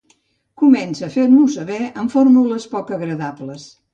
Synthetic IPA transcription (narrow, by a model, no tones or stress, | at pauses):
kumɛnsəːfeɾmusəβɛəɱfoɾmuləspɔkəɣɾəðabləs